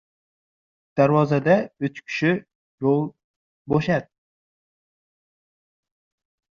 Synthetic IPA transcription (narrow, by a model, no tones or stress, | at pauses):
d̪̥aɾwɒzad̪aʊt͡ʃkʲʰɪ̥ʃɪ | jolˠ | boʃad̪̚